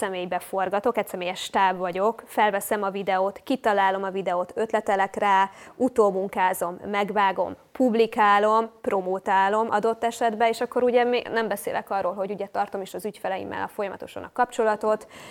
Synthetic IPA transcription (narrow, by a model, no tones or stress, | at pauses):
ɛmeːjbɛfo̞rɡɒt̪o̞kɛcsɛmeːjɛʃt̪aːvːɒɟo̞kfɛlvɛsɛmɒvid̪ɛoːt̪kit̪ɒlaːlo̞mɒvid̪ɛoːt̪ø̞t̪lɛt̪ɛlɛkraːut̪oːmuŋkaːzo̞mːɛɡvaːɡo̞̰mpublikaːlo̞mpro̞moːt̪aːlo̞mʔɒ̰d̪o̞t̪ːɛʃɛd̪bɛeːʃɒkːo̞ɾuɟɛminɛmbɛsḛːlʔɛ̰kɒrːoːlɦo̞ɟuɟɛt̪ɒrt̪o̞meːʃɒzycfɛlɛjḭmːɛ̰lɒ̰fo̞jɒmɒ̰t̪o̞̰ʃɒ̰nɒkɒpt͡ʃo̞lɒt̪o̞t̪